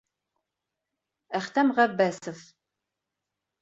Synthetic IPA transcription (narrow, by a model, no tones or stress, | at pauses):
æχt̪æmʁævːæsəf